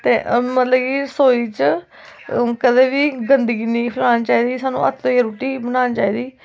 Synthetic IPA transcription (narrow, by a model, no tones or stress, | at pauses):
t̪eːmət̪ləbkiːsoːiːt͡ʃ | kəd̪eːbiːɡənd̪əɡiːnĩːpʰɪlaːnt͡ʃaːiːd̪iːsaːnṵ̃ːʔə̰t̪ʰoːeɾuːʈiːbənaːnt͡ʃaːiːd̪iː